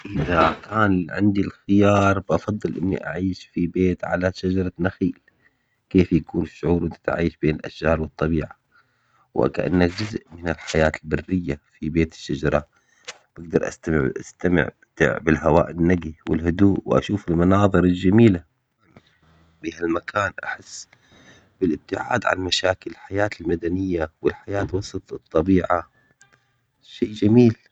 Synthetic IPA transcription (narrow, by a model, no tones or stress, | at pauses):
ʔɪðakʰaːnʕɪ̰nd̪ilxɪjɑːɾˤbʔɑfɑðˤːɨlʔɪnːḭʔa̰ʕiːʃfibeːt̪ʕa̰laʃad͡ʒɑɾˤɑnaxiːl | keːfjakuːnɪʃːʊʕuːɾwʔɪnt̪ḁt̪a̰ʕiːʃbeːnɪlʔa̰ʃd͡ʒɑːɾˤwɨt̪ˤːɑbiːʕa | w̰ka̰ʔa̰nːakd͡ʒʊzʔmɪnɪlħajaːt̪ɪlbarːɪjːafibeːt̪ɪ̥ʃːad͡ʒɑɾˤɑ | b̥ɪɡ̚d̪ɑɾˤʔa̰st̪amɪ̰ʕʔast̪amɪ̰ʕ | t̪ʕbɪlɦawa̰ːʔɪnːaɡiwɪ̰lhʊd̪uːʔwʔa̰ʃuːfɪlmɑnɑːðˤɨɾɪld͡ʒamiːla | bihalmakʰaːnʔa̰ħɪsː | bɪlɪb̚t̪ɪʕa̰ːd̪ʕa̰nmaʃaːkɪllħajaːt̪ɪlmad̪anɪjːawɪlħajaːt̪wɑsˤɑt̪ˤɨt̪ˤːɑbiːʕa | ʃeːd͡ʒamiːl